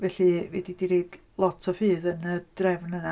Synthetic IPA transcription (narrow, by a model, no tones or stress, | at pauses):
vɛɬɨvɛdidiɾiːd̥ | lˠɔtʰɔfɨːðənəd̥rɛvnəna